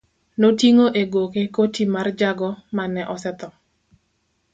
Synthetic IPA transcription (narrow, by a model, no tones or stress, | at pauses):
notiŋoʔeɡokekotimard͡ʒaɡɔmanɛʔɔsɛt̪ɔ